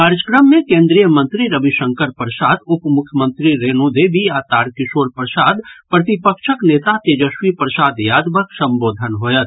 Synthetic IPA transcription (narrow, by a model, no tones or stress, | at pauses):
kaːɾjəkɾəmːẽkẽːnd̪ɾijəmə̃nt̪ɾiɾəbiʃə̃ŋkəɾpɾəsaːd̪ʊpmʊkʰjəmə̃nt̪ɾiɾeːnud̪eːbijaːt̪aːɾkɪʃoːɾpɾəsaːd̪pɾɐt̪ɪpəkʃəkneːt̪at̪ed͡ʒəʃwipɾəsaːd̪jaːd̪bəksɐ̃mboːd̪ʱənɦoːjət̪